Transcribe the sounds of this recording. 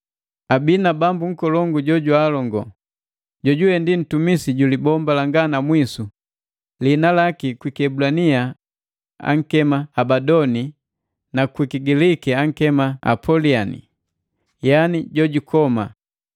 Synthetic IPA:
abinabambuŋ̩kɔlɔŋɡuɟɔɟwalɔŋɡɔ | ɟɔɟuɛndin̩tumisiɟulibɔmbalaŋɡanamwisu | linalakikwikɛbulania | a̰ŋ̩kɛmaabadɔni | nakwikiɡilikɛaŋ̩kɛmaa̰pʰɔlianḭ | janiɟɔɟukʰɔma̰

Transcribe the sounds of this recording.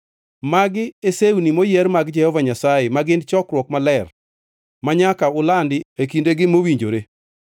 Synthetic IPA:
maɡɪesewunimojɛɾmaɡd͡ʒɛhɔvaɲasaɪmaɡɪnt͡ʃɔkɾwɔkmalɛr | maɲakaʊlandɪekindeɡɪmowiɲd͡ʒoɾe

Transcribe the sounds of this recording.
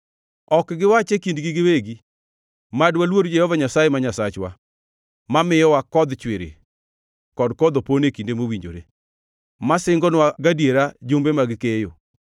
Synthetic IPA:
ɔkɡɪwat͡ʃekindɡiɡɪweɡi | madwalwoɾd͡ʒɛhɔvaɲasajemaɲasat͡ʃwa̰ | mamɪjɔwakɔd̪t͡ʃwɪɾḛ | kɔdkɔd̪oponekindemowiɲd͡ʒo̰ɾe | masɪŋɡɔnwaɡadjeɾad͡ʒombemaɡɪkejo

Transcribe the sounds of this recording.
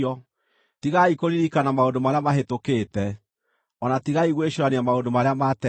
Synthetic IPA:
ɔ | tiɣaikoɾiɾikanamaondomaɾeamaɦetoketɛ | ɔnatiɣaiɣweɕoɾaniamaondomaɾeamatɛ

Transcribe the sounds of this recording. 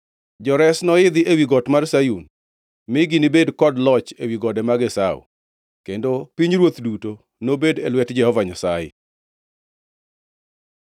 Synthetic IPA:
d͡ʒɔɾɛsnɔɪd̪ɪʔewiɡɔtmarsajun | mɪɡinibedkɔdlɔt͡ʃewiɡɔdɛmaɡɛsaw̰ | kendopiɲɾwot̪duto | nobedelwɛtd͡ʒɛhɔvaɲasajɛ̰

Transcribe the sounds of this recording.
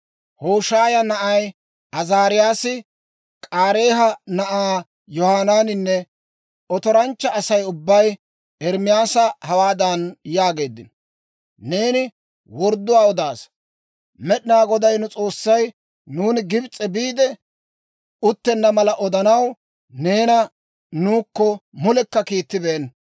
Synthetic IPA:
hoːʃaːjɐnɐʔɐj | ɐzaːɾɪjaːsɪ | kʼaːɾe̞ːɦɐnɐʔaː | jɔhaːnaːnɪnːɛ | ɔt̪ɔɾɐnt͡ʃːɐːsɐjʊbːɐj | ɛɾmɪjaːsɐhɐwaːd̪ɐnjaːɡe̞ːd̪ːɪnɔ | ne̞ːnɪ | wɔɾd̪ːʊwaːɔd̪aːs | mɛɗɪnaːɡɔd̪ɐjnʊt͡sʼo̞ːsːɐj | nuːnɪɡɪbt͡sʼːɛbiːd̪ɛ | ʊt̪ːɛnːɐmɐlɐʔɔd̪ɐnɐw | ne̞ːnɐ | nuːkːɔmʊlɛkːɐkiːt̪ːɪbeːn

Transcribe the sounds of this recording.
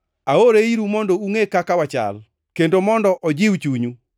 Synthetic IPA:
aoɾeiɾumondouŋekakawat͡ʃa̰l | kendomɔndɔʔɔd͡ʒɪwt͡ʃuɲu

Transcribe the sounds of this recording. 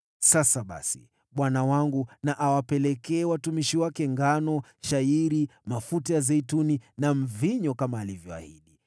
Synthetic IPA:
sasaɓa̰sḭ | ɓwanawaŋɡunaʔawapɛlɛkɛːwatumiʃiwakɛŋɡanɔʃaiɾimafutajazɛituninam̩viɲɔkamaːlivjɔa̰hiɗi

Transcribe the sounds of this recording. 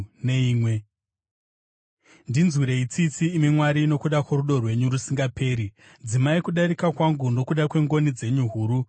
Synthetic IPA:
ne̞iːmwe̞ | ndinzwiɾe̞it͡sit͡siːmimwaɾiːno̞kuɗakwoɾuɗo̞rwe̞ɲurusiŋɡapʰe̞ːɾi | d͡zimaikuɗaɾikakwaŋɡundo̞kuɗakwe̞ŋɡo̞nid͡ze̞ɲuɦuːɾu

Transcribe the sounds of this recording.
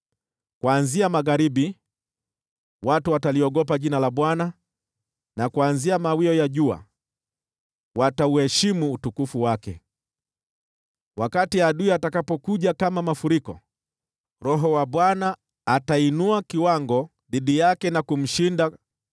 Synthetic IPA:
kwanziamaɣaɾiɓi | watuwataliɔɠɔp̬aʄinalaɓwana | nakuanziamawiɔjaʄua̰ | watauhɛʃimuːtukufuwakɛ̰ | wakatiaɗuiatakapɔkuʄakamamafuɾikɔ̰ | ɾɔɦɔwaɓwanaː | tainuakiwaŋɡɔ | ðiɗijakɛnakum̩ʃinda

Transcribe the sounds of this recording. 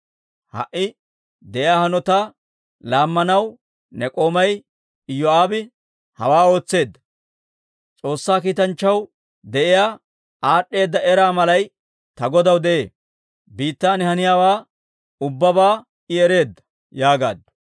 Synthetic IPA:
hɐ̰ʔɪ | d̪ɛʔɪjaːhɐnɔt̪aː | laːmːɐnɐw | nɛkʼo̞ːmɐj | jːɔaːbɪ | hɐ̰waːo̞ːt͡sːe̞ːd̪ːɐ̥ | t͡sʼo̞ːsːaːkiːt̪ɐnt͡ʃːɐw | d̪ɛʔɪjaː | ʔaːɗːe̞ːd̪ːɐɛɾaːmɐlɐj | t̪ɐɡɔd̪ɐwd̪ɛʔḛː | biːt̪ːaːnɪhɐnɪjaːwaː | ʊbːɐbaː | ʔɪɛɾe̞ːd̪ːɐ̥ | jaːɡa̰ːd̪ɐ

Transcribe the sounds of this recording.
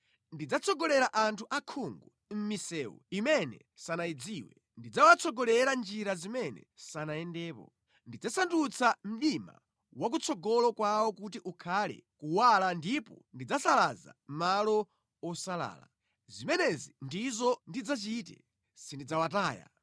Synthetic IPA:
ndid͡zat͡sʰɔɡɔlɛɾaʔantʰuʔakʰuŋɡu | m̩misɛːwɔ̰imɛnɛ̰ | sanaid͡ziːwɛ | ndid͡zawat͡sʰɔɡɔlɛɾand͡ʒiɾazimɛnɛ̰sanajɛndɛːpɔ̰ | ndid͡zasandut͡sʰam̩ɗima̰ | wak̬ut͡sʰɔɡɔlɔkwawɔkut̬iʔukʰalɛ̰kuwalandipɔ̰ndid͡zasalaza̰malɔ | ɔsala̰ːla̰ | zimɛnɛzindizɔndid͡zat͡ʃitɛ̰ | sindid͡zawataːja̰

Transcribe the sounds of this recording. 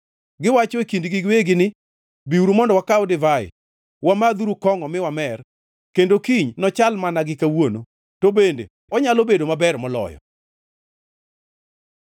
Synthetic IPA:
ɡɪwat͡ʃɔekindɡɪɡweɡɪnɪ | biuɾumɔndɔwakawdɪvaɪ̰ | wamad̪uɾukɔŋɔmɪwamɛr | kendokiɲnɔt͡ʃalmanaɡɪkawono | tobendḛ | ɔɲalobedomabɛrmɔlɔ̰jɔ̰

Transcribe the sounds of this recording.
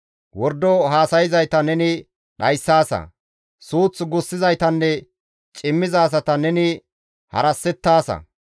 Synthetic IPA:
wɔɾd̪ɔɦaːsɐjɪzɐjt̪ɐnɛnɪ | ᶑɐjsːaːsɐ̰ | suːt͡sːɡʊsːɪzɐjt̪ɐnːɛ | t͡ʃʼɪmːɪzɐːs̬ɐt̪ɐnɛnɪ | hɐ̰ɾɐsːɛt̪ːaːsɐ̰

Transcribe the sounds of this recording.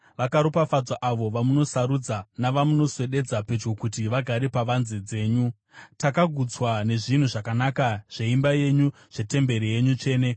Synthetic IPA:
ʋakaɾopafad͡zaʔaʋo̞ʋamuno̞saɾud͡zanaʋamuno̞swe̞ɗe̞d͡zape̞d͡ʒɡo̞kutiʋaɡʱaɾepaʋanzed͡ze̞ːɲu | takaɡʱud͡zwane̞ʐin̤uʐakanakaʐ̥e̞imbaje̞ɲu | ʐ̥e̞te̞mbe̞ɾije̞ɲut͡ʃe̞ːne̞

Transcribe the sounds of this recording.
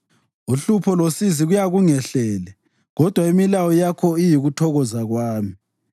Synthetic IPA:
uɬupʰɔlosiziɣujaɣuŋɛɬɛlɛ | ɣɔd̥ʱwaimilawɔjakʰɔijiɣutʰɔɣɔzaɣwaːmi

